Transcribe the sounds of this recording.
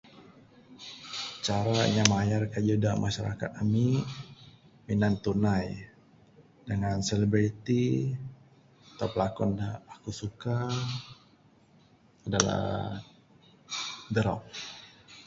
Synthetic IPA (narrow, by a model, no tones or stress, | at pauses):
t͡ʃaɾaɲamajarkad͡ʒudamʔaʃaɾa̰ka̰t̪ami | minant̪unaj | dəŋanseləbɾit̪i | at̪awpəlakɔndaːkusuka | adala̰ | dəɾɔ̰k̚